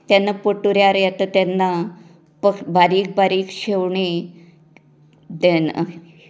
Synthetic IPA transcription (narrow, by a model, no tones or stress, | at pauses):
t̪janːapəʈuɾjaɾjat̪ət̪janːa | pəbaɾiːk̚baɾiːkɕewɳi | d̪en